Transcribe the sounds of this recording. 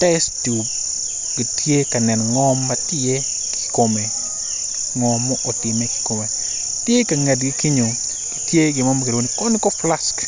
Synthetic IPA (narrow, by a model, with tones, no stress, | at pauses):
tɛ˦stu˨b | ɡ̥i˨tje˦ka˨nɛ˨nŋɔ˦mːatɪe˦ | ki̥ko˨me˨ | ŋɔ˨mːɔ˦ʔo˨tɪ˨me˦ki̥ko˨me˨ | tje˦ka˨ŋa˨dɡi˦ki˦ɲo˨ | ɡ̥i˨tje˦ɡɪ˨mɔ˦mkeɾwo˦nikɔ˦ni˦kɔ˦fla˨sk